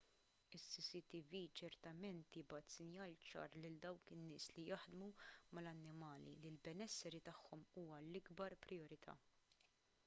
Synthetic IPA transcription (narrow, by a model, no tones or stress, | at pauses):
ɪsːisit̪ivit͡ʃɛɾt̪ɐmɛnt̪jɪbɐt̪sɪnjɐːlt͡ʃɐ̰ːɾlɪld̪ɐwkɪnːɪːslijɐħd̪mumɐlɐnːɪmɐːlḭlɪlbɛnɛsːɛɾit̪ɐħːɔmuːmɐlɪɡbɐɾpɾɪɔɾɪt̪ʰɐ̰ː